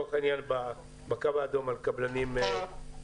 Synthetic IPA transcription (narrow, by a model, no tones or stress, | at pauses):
χinjanba | bakavaːd̪omalkablanime